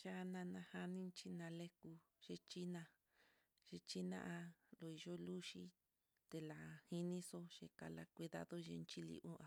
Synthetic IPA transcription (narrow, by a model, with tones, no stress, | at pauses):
t͡ʃa˦˧nã˧nã˧ha˧nĩ˦nt͡ʃi˦nã˧le˦ku˧ | ʒ̥e˧t͡ʃi˦nã˧ | ʒe˧t͡ʃi˦nã̰˦ʔa˧lo˧i˧ʒo˦lu˦ʃi˦ | t̪e˧la˨hi˦nĩ˦so˦ʃḛ˧ka̰˧la˧kʷi˧ða̰˧ðo˦ʒḛ˧nt͡ʃi˦lḭ˧ʔũ˦a˨